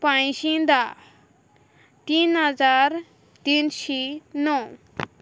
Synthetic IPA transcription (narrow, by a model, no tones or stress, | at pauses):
pãjsĩd̪a | t̪inɦəd͡zaɾ | t̪inʃinɔ